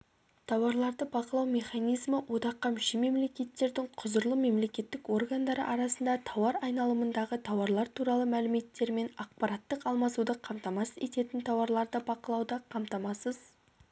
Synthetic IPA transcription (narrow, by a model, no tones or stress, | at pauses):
t̪ʰɑwɑɾlˠɑɾd̪əbɑqəlˠɑwme̞χɑnijzməwʔo̞d̪ɑqːɑmɪʃime̞mle̞kʲe̞t̪ːe̞ɾd̪ɪɴqʰʊzəɾlˠəme̞mle̞kʲe̞t̪ːɪko̞rɡand̪ɑɾə̰ʔɑɾɑsənd̪ɑt̪ʰɑwɑɾɑjnɑlˠəmənd̪ɑʁət̪ʰɑwɑɾlˠɑɾt̪ʰuɾɑlˠəmælɪme̞t̪ːe̞ɾme̞nɑq̚pɑɾɑt̪ːəqɑlˠmɑsud̪əqʰɑmt̪ɑmɑsəze̞t̪e̞t̪ɪnt̪ʰɑwɑɾlˠɑɾd̪əbɑqəlˠɑwd̪ɑqʰɑmt̪ɑmɑsəz̥